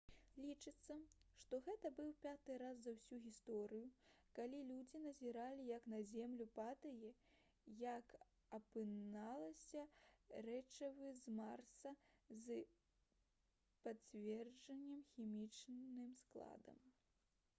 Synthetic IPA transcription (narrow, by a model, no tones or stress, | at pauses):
lʲit͡ʂɨt̪sːɐʂt̪ɔɣɛt̪ɐbɨwpʲat̪ɨɾaz̬zɐwsʲuɣʲist̪ɔɾɨjukalʲilʲud͡zʲinɐzʲiɾalʲijɐknɐzʲɛmlʲupat̪ɐjɛ | jɐk | ɐpɨnalˠɐsʲɐrɛt͡ʂɐvɨzmarsɐzɨ | pat͡sʲvʲɛrd͡ʐɐnʲːɐmxʲimʲit͡ʂnɨmsklˠa̰d̪ɐ̰m